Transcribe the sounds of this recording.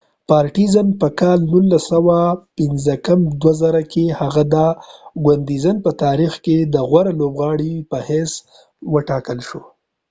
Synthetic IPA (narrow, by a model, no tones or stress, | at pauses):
pɑːɾʈizəmpəkɑlnulːasawapɪnzəkamd̪wazaɾakʰehaɣad̪aɡwand̪izənpət̪ɑɾixked̪əɣwaɾalobɣɑɽipəhɛs | wəʈɑkəlʃo